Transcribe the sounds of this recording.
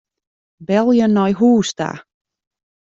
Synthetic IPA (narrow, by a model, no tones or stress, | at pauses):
bɛlˠjənːɔjɦuːsta̰